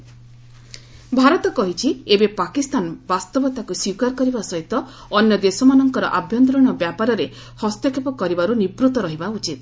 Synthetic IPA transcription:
bʱaɾɔt̪ɔkɔɦit͡ʃʰiebepakist̪anbast̪ɔbɔt̪akuswiwkaɾkɔɾibasɔɦit̪ɔ | ɔnjɔd̪esɔmanɔŋkɔɾɔʔabʱjɔnt̪̬ɾɔɽ̃ɔbjapaɾɔɾe | hɔst̪jɔkʰepɔkɔɾibaɾunibɾut̪ɔɾɔɦibaut͡ʃit̪̚

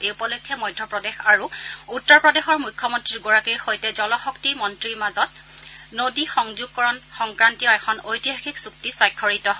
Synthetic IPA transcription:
eupɔlojkʰːɛmɔjdʱːɔpɹɔdɛxaɹuutːɔɹpɹɔdexɔɹmujkʰːɔmɔntɹiɹɡoɹakiɹxojtɛzɔlɔxɔktimɔntɹiɹmazɔt̚ | nodixɔŋzuɡ̚kɔɹɔnxɔŋkɹantijɔɛkʰɔnojtiɦaxiksuk̚tisɔjkʰːɔɹitɔɦ

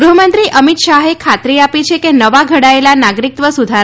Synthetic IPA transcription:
ɡɾuɦəmənt̪ɾiʔəmit̪ʃaɦekʰat̪ɾiapit͡ʃʰekenəʋaɡʱəɽaelanaɡɾik̚t̪ʋəsud̪ʱaɾ

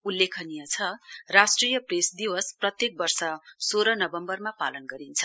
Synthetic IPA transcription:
ulːekʰʌnijʌt͡sʰʌrasʈrijʌpresd̪iwʌsprʌt̪jek̚bʌrsʌsoɾʌnʌbʌmbʌrmapalʌnɡʌɾint͡sʰʌ

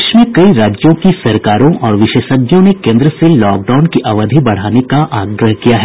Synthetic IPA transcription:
ʃmẽkɐiɾaːd͡ʒjõkisɐɾkaːɾõʔɔːɾʋɪʃeːʃəb̪ʱjõnekẽːnd̪ɾəselɔːk̚ɖaːʊnkiʔɐʋəd̪ʱibɐɽ̤aːnekaʔaːɡɾəɦkijaɦɛː

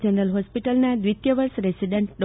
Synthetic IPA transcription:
d͡ʒənɾəlɦospiʈəlnad̪ʋit̪jəʋəɾsɾesiɖẽɳʈ̚ɖɔ

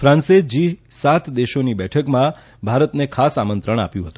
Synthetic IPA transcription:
fʰɾãnsed͡ʒisat̪ʰd̪eʃonibɛʈʰəkmã | bʱaɾət̪nekʰasamənt̪ɾəɳ̃a̰pjũɦət̪ũ̥

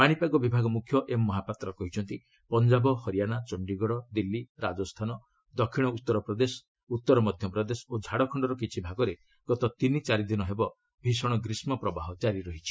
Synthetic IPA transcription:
paɽ̃ipaɡɔbibʱaɡɔmukʰjɔʔemːɔɦapat̪ɾɔkɔɦit͡ʃʰɔnt̪i | pɔnd͡ʒabɔhɔɾijañat͡ʃɔɳɖiɡɔɽɔd̪ilːiɾad͡ʒɔst̪ʰanɔ | d̪ɔkʰːiɽ̃ɔut̪ːɔɾɔpɾɔd̪esɔ̥ | ut̪ːɔɾɔmɔd̪ʱjɔpɾɔd̪esɔ̥od͡ʒʱaɽɔkʰɔɳɖɔɾɔkit͡ʃʰibʱaɡɔɾe | ɡ̥ɔt̪ɔt̪init͡ʃaɾid̪inɔɦebɔ | bʱisɔɽ̃ɔɡɾismɔpɾɔbaɦɔd͡ʒaɾiɾɔɦit͡ʃʰi̥

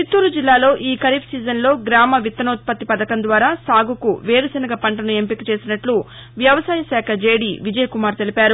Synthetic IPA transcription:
t͡ʃit̪ːuːɾud͡ʒilːaːlo̞ːʔiːkɐɾiːpʰsiːd͡ʒɐnlo̞ːɡɾaːmɐʋit̪ːɐnoːt̪̚pɐt̪ːipɐd̪ɐkɐnd̪ʋaːɾaːsaːɡukuʋeːɾɐsɐnɐɡɐpɐɳʈɐnue̞mpikit͡ʃe̞ːsinɐʈlu | ʋjɐʋɐsaːjɐsaːkʰɐd͡ʒeːɽiːʋid͡ʒɐjɐkumaːɾt̪e̞lipaːɾu

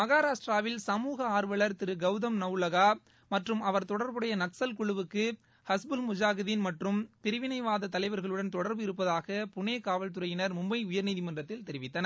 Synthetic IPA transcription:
mɐɣaːɾaːʂʈraːʋɪlsɐmuːɣɐaːɾʋɐɭɐɾt̪ɪɾɯɡɐʊðɐmnɐʊlɐɣaː | mɐʈrɯmɐʋɐɾt̪ɔɽɐɾbɯɽɐjɐnɐksɐlkʊɭɯʋɯkːɯ | hɐsbɯlmʊd͡ʒaːɣɐðinmɐʈrɯmpɪɾɯʋɪnɐɪʋaːðɐt̪ɐlɐɪʋɐɾɣɐɭɯɽɐnt̪ɔɽɐɾbɯɪɾɯpːɐðaːɣɐpʊɳeːkaːʋɐlt̪̬ɯɾɐjɪnɐɾmʊmbɐɪʊjɐɾniːðɪmɐndrɐt̪ːɪlt̪ɛɾɪʋɪt̪ːɐnɐ

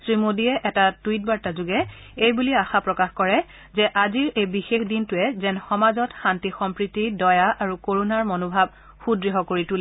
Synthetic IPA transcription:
sɹimodiɛʔɛtatwit̚baɹtazʊɡɛ | ejbuliaxapɹɔkaxkɔɹɛ | zɛʔaziɹejbixexdintʊɛzɛnxɔmazɔtxantixɔmpɹitidɔjaʔaɹukoɹunaɹmonobʱab̚ | xudɹiɦɔkoɹitulɛ

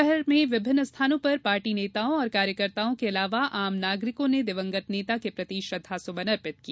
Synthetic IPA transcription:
ɛɦɛɾmẽʋɪbʱɪnːəst̪ʰaːnõpɐɾpaːɾʈineːt̪aːõɔːɾkaːɾjəkəɾt̪aːõkeɐlaːʋaʔaːmnaːɡɾɪkõned̪ɪʋə̃ŋɡət̪neːt̪akepɾɐt̪iːʃɾɐd̪ʱasʊbɐnɐɾpɪt̪̚ki

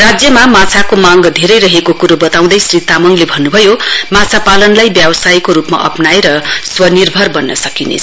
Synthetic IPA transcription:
rad͡zjʌmamãt͡sʰakomaŋɡd̪ʱeɾʌjɾʌɦekokuɾobʌt̪aw̃d̪ʌjsrit̪amʌŋlebʱʌnːubʱʌjomãt͡sʰapalʌnlajbjabʌsajkoɾupma̰ʔʌ̰pnajɾʌswʌnirbʱʌrbʌnːʌsʌkinḛt͡sʰ

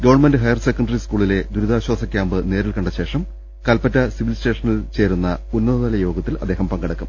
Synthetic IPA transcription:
ɡɐʋɐɳmendɨɦɐjɐrsekːɐɳɖɐriskuːɭile̞d̪uɾud̪aːɕwaːsɐkʲjaːmbɨne̞ːɾilkɐɳɖɐɕe̞ːʂɐm | kɐlpɐtːɐsiʋilste̞ːʂɐnilt͡ɕe̞ːɾunːɐunːɐðɐðɐlɐjo̞ːɡɐt̪ːilɐd̪ːeːɦɐmpɐŋɡɐɽɐkːum

